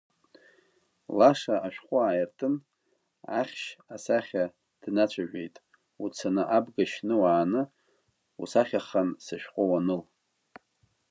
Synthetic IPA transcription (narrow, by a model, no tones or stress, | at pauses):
laʂaʔaʃᶣqʷʼʊaːjɪrtʰʼɨn | aχʲʃasaχʲa | d̥nat͡ʃʷʰaʒᶣejtʼ | ut͡sʰanɨʔabɡaʃnɨwaːnɨ | ṵsaχʲaχansɨʃᶣqʷʼowanɨl